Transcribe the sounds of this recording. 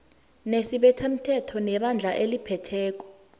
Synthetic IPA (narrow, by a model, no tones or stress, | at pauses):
nesiɓɛtʰem̩tʰɛtʰɔnɛɓand͡ɮʱaʔelipʰɛtʰɛːk̬ɔ̥